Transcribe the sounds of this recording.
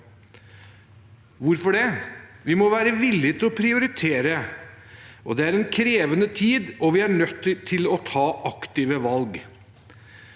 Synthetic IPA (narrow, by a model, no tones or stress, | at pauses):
ʋʊɾfɔɖɛʋɪmɔʋæːɾəʋɪlːɪt̪ɪlɔpʰɾɪʊɾɪt̪ʰeːɾə | ʔɔ̰d̪ɛæɾɛnkʰɾeːʋənət̪ʰiːd̪ɔʋɪæɳœt̪ːt̪ʰːɪlɔt̪ʰɑːʔɑkt̪ɪʋəʋɑlɡ